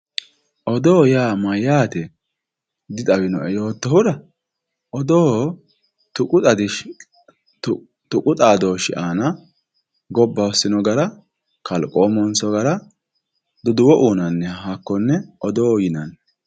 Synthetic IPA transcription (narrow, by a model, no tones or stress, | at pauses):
ʔɔd̪oːjaːmɐjaːt̪ɛ | d̪ɪt̪ʼɐwɪnɔʔɛjo̞ːt̪ːɔɦʊɾɐ | ʔɔd̪oː | t̪ʊkʼʊt̪ʼɐd̪ɪ | t̪ʊkʼʊt̪ʼaːd̪oːʃɪʔaːnɐ | ɡɔbːɐɔsɪnɔɡɐɾɐ | kɐlkʼoːmɔnsɔɡɐɾɐ | d̪ɔd̪ʊwɔʔuːnɐnːɛhakːɔnːɛʔɔd̪oːjɪnɐn